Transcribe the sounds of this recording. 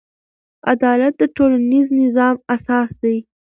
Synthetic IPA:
a̰d̪ɑlat̪̚d̪əʈolaniznɪzɑmasɑsd̪aj

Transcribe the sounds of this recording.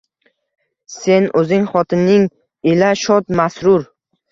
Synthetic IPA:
se̞nɵzɪŋχɒt̪ʰɪnːɪŋ | ɪlaʃɒt̪masɾʊɾ

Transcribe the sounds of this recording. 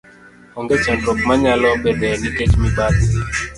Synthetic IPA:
ɔŋɡet͡ʃandɔkmaɲalɔbɛdɛniket͡ʃmibad

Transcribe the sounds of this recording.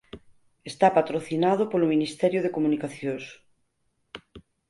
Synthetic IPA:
est̪apat̪ɾoθinað̞ʊpolominist̪ɛɾjoð̞ekomunikaθjõs

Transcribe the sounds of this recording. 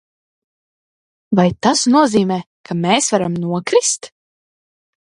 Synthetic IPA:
vajt̪asnuɔziːmɛː | kʰameːsvaɾamnuɔkɾist̪

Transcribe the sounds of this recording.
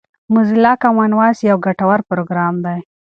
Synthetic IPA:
mʊzilɑkamanwɑsjawɡaʈawaɾpɾoɡɾɑmd̪aj

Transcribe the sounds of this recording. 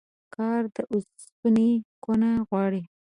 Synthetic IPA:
kʰɑɾd̪əʔʊs | punekonaɣwɑɽi

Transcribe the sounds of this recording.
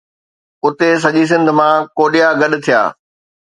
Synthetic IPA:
ʊt̪es̬ɐʄis̬ɪ̃nd̪ʱmãkoːɗijaɡɐɗ̆t̪ʰija̰ː

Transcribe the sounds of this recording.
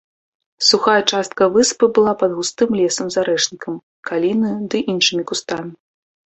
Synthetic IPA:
suxajɛt͡ʂast̪̚kɐvɨspɨbɨlˠapɐd̪ɣust̪ɨmlʲɛsɐmzaɾɛʂnʲikɐm | kalʲinɨd̪ɨʔinʂɨmʲikust̪amʲi

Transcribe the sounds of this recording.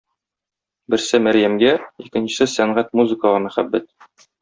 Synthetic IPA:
bɘ̆ɾsɘmæɾjæmɡæikɘ̆nɕɘ̥̆sɘsæɴʁæt̪muzɘ̆kəlˠɑmæχæbːæt̪̚

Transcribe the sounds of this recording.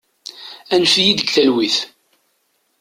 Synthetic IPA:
ænfjid̪əɡθælwiθ

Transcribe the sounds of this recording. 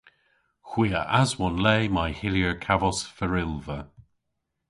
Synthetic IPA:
xw̥iːəʔazwɔnlɛːmajhɪljəɹkʰavɔsfəɹɪlvə

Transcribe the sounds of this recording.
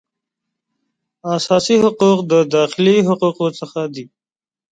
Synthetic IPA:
asɑːsiɦʊquːq̚d̪əd̪ɑːxɪliɦʊquːqosəxad̪i

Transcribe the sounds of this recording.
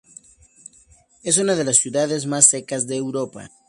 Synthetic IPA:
es̬unaðelasːjuðaðezmasːekazðeːwɾopa̰

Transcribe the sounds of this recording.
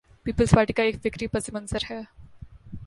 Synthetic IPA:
piːpəlspaːɾʈiːkaeːkʋɪkɾiːpəsɪmənsəɾɦɛː

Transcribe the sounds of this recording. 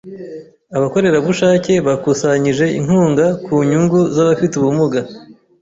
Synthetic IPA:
aβako̞ɾe̞ɾaβuʃaːce̞βakusaɲiʒe̞ḭŋ̥huːŋɡakuɲuŋɡuzaβafituβumuɡa

